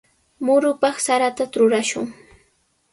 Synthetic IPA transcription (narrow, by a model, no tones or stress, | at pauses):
mʊɾʊpɑχsaɾat̪at̪ɾʊɾaʃʊŋ